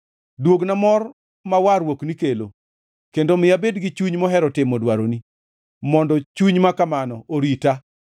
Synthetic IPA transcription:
dwoɡnamɔr | mawaɾwoknikelo | kendomɪjabedɡɪt͡ʃuɲmɔɦɛɾɔtɪmɔdwaɾoni | mɔndɔt͡ʃuɲmakamanɔʔoɾita

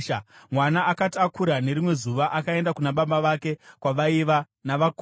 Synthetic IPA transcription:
mwanaʔakatakuɾane̞ɾimwe̞zuʋaʔakae̞ndakunaɓambaʋake̞kwaʋaiʋa | naʋak

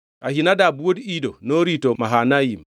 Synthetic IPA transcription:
ʔa̰hinadabuwodidonoɾitɔmaɦanajim

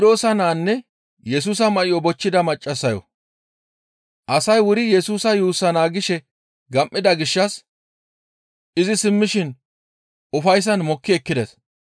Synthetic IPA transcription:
d̪o̞ːsɐnaːnːɛ | jɛsuːs̬ɐmɐʔɪjɔbɔt͡ʃːɪd̪ɐmɐt͡ʃʼːɐsːɐjɔ̰ | ʔɐsɐjwʊɾɪjɛsuːsɐjuːsːɐnaːɡɪʃɛ | ɡɐmʔːɪd̪ɐɡɪʃːɐs | ɪzɪsɪmːɪʃɪn | ʔʊfɐjs̬ɐnmɔkːɪɛkːɪd̪ɛs

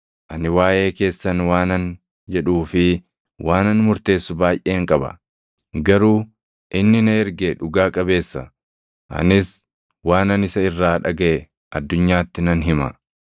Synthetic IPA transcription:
ʔɐnɪwaːje̞ːke̞ːsːɐnwaːnɐn | d͡ʒɛᶑuːfɪ | wʔaːnɐnmʊɾt̪e̞ːsːʊbaːjʔe̞ːŋkʼɐbɐ̰ | ɡɐɾuː | ʔɪnːɪnɐɛɾɡeᶑʊɡaːkʼɐbe̞ːsːɐ | ʔɐ̰nɪs | waːnɐnɪsɐɪrːaːᶑɐɡɐʔɛ | ʔɐd̪ːʊɲːaːt̪ːɪnɐnɦɪmɐ̰

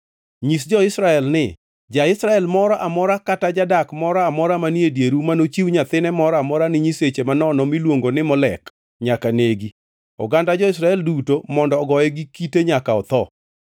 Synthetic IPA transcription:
ɲis̬d͡ʒɔɪsɾaɛlnɪ | d͡ʒaɪsɾaɛlmɔɾɔʔamɔɾakatad͡ʒadakmɔɾɔamɔɾamanjedjeɾumanot͡ʃiwɲat̪ɪnɛmɔɾmɔɾanɪɲiset͡ʃemanɔnɔmilwoŋɡonɪmɔlɛk | ɲakaneɡi | ɔ̰ɡandad͡ʒɔɪs̬ɾaɛldutomɔndɔːɡɔjɛɡikiteɲakaɔt̪ɔ

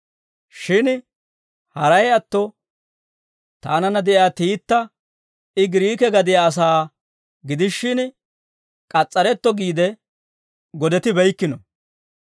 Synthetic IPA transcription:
ʃɪn | hɐɾɐjɐt̪ːɔ | t̪aːnɐnːɐd̪ɛʔaːt̪iːt̪ːɐ | ɪɡɪɾiːkɛɡɐd̪ɪjaːs̬aː | ɡɪd̪ɪʃːɪn | kʼɐt͡sʼːɐɾɛt̪ːɔɡiːd̪ɛ | ɡɔd̪ɛt̪ɪbɛjkːɪnɔ

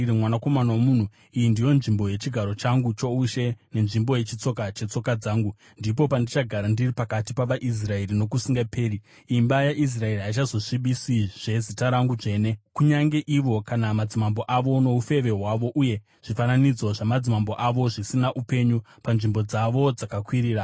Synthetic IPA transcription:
rimwanako̞manawomuːn̤u | ijindijo̞nʐimbo̞je̞t͡ʃiɡʱaɾo̞t͡ʃaŋɡut͡ʃo̞uʃe̞ne̞nʐimbo̞je̞t͡ʃit͡so̞kat͡ʃe̞t͡so̞kad͡zaːŋɡu | ndipo̞pandit͡ʃaɡʱaɾandiripakatipaʋaʔis̬rae̞rino̞kusiŋɡapʰe̞ːri | imbajaʔis̬rae̞riɦait͡ʃazo̞ʂiɓisiʐ̥e̞zitaɾaŋɡuʐe̞ːne̞kuɲaŋɡe̞ʔiʋo̞kanamad͡zimambo̞ʔaʋo̞no̞ufe̞ʋe̞ɦwaʋo̞ʔuje̞ | ʐ̥ifananid͡zo̞ʐamad͡zimambo̞ʔaʋo̞ʐisinaʔupe̞ɲu | panʐimbo̞d͡zaʋo̞d͡zakakwiɾiːɾa

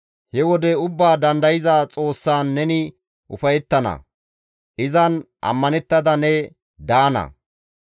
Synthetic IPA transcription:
hɛwɔd̪ɛʊbːaːd̪ɐnd̪ɐjɪzaːt͡sʼo̞ːsːaːnːɛnɪ | ʔʊ̰fɐjɛt̪ːɐnɐ̰ | ʔɪzɐnʔɐ̰mːɐnɛt̪ːɐd̪ɐnɛ | d̪aːnɐ̰

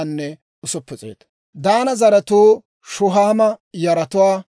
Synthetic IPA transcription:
nːɛ | ʊsɔpːɛt͡sʼḛːt̪ | d̪aːnɐzɐɾɐt̪oː | ʃʊɦaːmɐjɐɾɐt̪ʊwaː

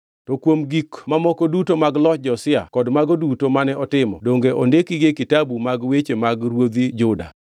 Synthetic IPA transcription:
tokwomɡikmamɔkodutomaɡlɔd͡ʒɔsɪa̰kɔdmaɡodutomanɛʔɔtɪmɔ̰doŋɡeʔondekiɡekitabumaɡwet͡ʃemaɡɾwod̪id͡ʒʊda̰

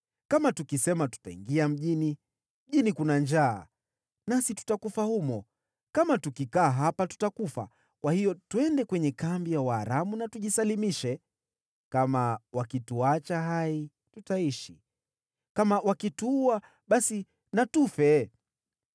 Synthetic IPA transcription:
kamatukisɛmatu̥taḭŋɡiam̩ʄini | m̩ʄinikunand͡ʒaː | nasitu̥takufahumɔ | kamatukikaːɦapatu̥takufa̰ | kwahijɔtuɛndɛkwɛɲɛkambijawaːɾamunatuʄisalimiʃɛ | kamawakituat͡ʃaɦai | tutaiʃi | kamawakituua | ɓasi | natufɛ

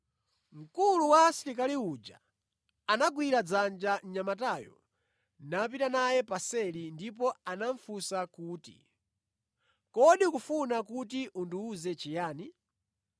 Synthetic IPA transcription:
ŋ̩kuluwasiɾikaliud͡ʒa | anaɡwiɾad͡zand͡ʒaɲamataːjɔ̰ | nap̬itanajɛpasɛlindip̬ɔanaɱfusakuːtḭ | kɔɗikufunakutiʔunduːzɛt͡ʃijaːni

